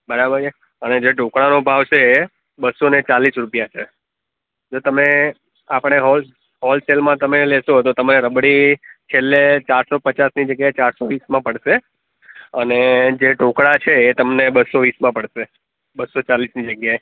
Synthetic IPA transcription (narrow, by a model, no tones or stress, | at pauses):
bəɾabəɾd͡ʒe | əned͡ʒeɖokɽanobʱaʋt͡ʃʰeː | bəsonet͡ʃalisɾupijat͡ʃʰe | d͡ʒot̪əme | apəɽ̃eɦɔl | ɦɔlselmãt̪əmeleʃõɦət̪ot̪əmaɾeɾəbɽit͡ʃʰelːet͡ʃaɾsopət͡ʃasnid͡ʒəɡjaet͡ʃaɾsoʋismãpəɽʃe | əned͡ʒeɖʱokɽat͡ʃʰeːt̪əmnebəsoʋismãpəɽʃe | bəsot͡ʃalisnid͡ʒəɡjae